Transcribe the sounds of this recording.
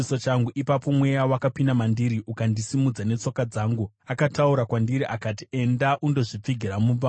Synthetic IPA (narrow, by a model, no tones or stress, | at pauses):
sot͡ʃaŋɡuʔipapo̞mwe̞jawakapinamandiɾiʔukandisimud͡zane̞t͡so̞kad͡zaːŋɡu | akatauɾakwandiɾiʔakatie̞ndaʔundo̞ʐip͡fiɡʱiramub͡va